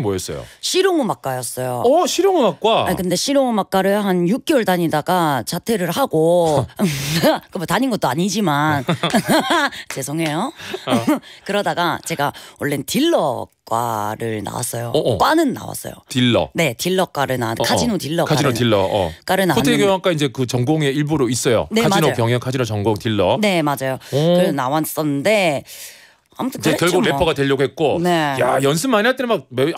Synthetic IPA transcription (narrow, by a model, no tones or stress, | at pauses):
moes͈ʌjo̰ɕʰiɾjoŋɯmak͈ajʌs͈ʌjoɕʰiɾjoŋɯmak̚k͈waakɯnde̞ɕʰiɾjoŋɯmak͈aɾɯɭɦanjuk̚k͈eʌoɭdaɲidaɡat͡ɕatʰe̞ɾɯɭhaɡo | kɯmotaɲinɡʌt͈oaɲid͡ʑiman | t͡ɕe̞sʰoŋe̞jo | kɯɾʌdaɡat͡ɕe̞ɡaoɭːentiɭːʌk͈wa̰ɾɯɭna̰wa̰s͈ʌjokwanɯnːa̰wa̰s͈ʌ̰jo̰tiɭːʌ̰ne̞tiɭːʌk͈waɾɯnankʰad͡ʑinotiɭːʌkʰad͡ʑinotiɭːʌʌ̰k͈aɾɯnaontʰeɡoak͈aind͡ʑe̞kɯt͡ɕʌŋɡoŋe̞iɭboɾois͈ʌjo̰neaminopjʌŋjʌŋkʰad͡ʑinot͡ɕʌŋɡoŋtiɭːʌne̞mad͡ʑajokɯɾnawas͈ʌnɯnde̞ | a̰mutʰɯekjʌɭɡuɡlepʰʌɡadweʎːʌɡoɦet̚k͈one̞jajʌns̬ʰɯmːaɲiɦaɭt͈enmak̚me